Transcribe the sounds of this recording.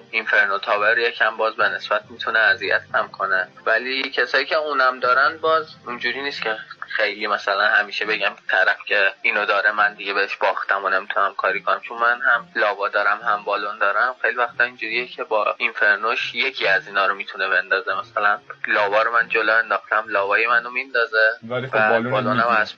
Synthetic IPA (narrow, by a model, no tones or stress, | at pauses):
infe̞ɾnot̪ʰɒːveɾjecʰæmbɒːzbene̞sbæt̪̚ʰmit̪ʰuneæzijæt̪ʰhʰæmkʰo̞nevælicʲʰe̞sɒːjiːcʰe̞uːnæmd̪ɒːɾænbɒːzind͡ʒuɾiːniːst̪cʰe̞xejlimæsælænhæmiːʃe̞be̞ɟæmt̪ʰæɾæfcʰe̞iːnod̪ɒːɾemænd̪iɡe̞beɦeʃb̥ɒːxt̪æmone̞mit̪ʰunæmkʰɒːɾiːkʰonæ̰mt͡ʃʰonmænhæmlɒːvɒːd̪ɒːɾæmhæmbɒːlond̪ɒːɾæmxejlivæxt̪ʰɒind͡ʒuːɾiːjecʰe̞bɒːinfeɾnoʃje̞cʰiæziːnɒːɾomit̪ʰune̞be̞nd̪ɒːzemæsælænlɒːvɒːɾomænd͡ʒoloe̞nd̪ɒːxt̪æmlɒːvɒːjemænomind̪ɒzevæbɒlonæmæz